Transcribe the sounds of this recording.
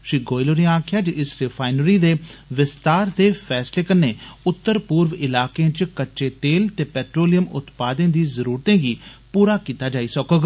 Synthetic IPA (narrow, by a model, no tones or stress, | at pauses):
ʃiːɡoːɪloːɾẽaːkʰɪjaːd͡ʒəʔɪsɾɪfʰaːɪnɾiːd̪eːʋɪst̪aːɾd̪eːfʰɛːsleːkənːeːʊt̪ːəɾpʊːɾʋɪlaːkeãːt͡ʃkətːʃeːt̪eːlt̪eːpɛːʈɾoːlɪjəmʊ̰t̪paːd̪ẽːd̪iːzəɾuːɾt̪ẽːɡiːpuːɾaːkiːt̪aːd͡ʒaːiːsəkəɡ